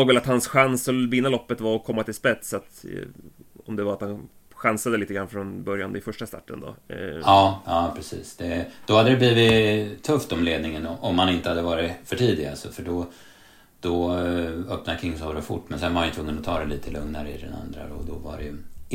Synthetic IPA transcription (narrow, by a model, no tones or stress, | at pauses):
oːɡvɛlat̪hansɧansɔbɪnːalɔpːət̪vaɾɔkʰɔmːat̪ʰɪlspɛt̪sat̪ | ɔ̰md̪ɛvaɾat̪han | ɧansad̪əliːt̪əɡɾanfɾɔnbœɾjanɪfœʂʈast̪a̰ʈːə̰nd̪ɔ̰ɑːɑːpʰɾɛsḭːsd̪̥ɛd̪̥ɔhad̪ːəd̪ɛbliːvɪtt̪ʰːɵft̪ɔmleːd̪̚nɪŋənɔmhanɪnt̪əhad̪ːəvɑːɾɪfœʈʰiːd̪ɪɡa̰lsɔfœɖɔ | d̪̥ɔ | œpnakʰɾɪŋːsɔɾɔfʊ̰ʈːmɛnsɛnvaɾhanjʏt̪ʰvɵŋːənɔt̪ʰɑːɾɛliːt̪ʰəlɵŋnaɾəɪd̪ɛ̰na̰nd̪ɾa̰d̪ɔ̰d̪ɔva̰ɾɛj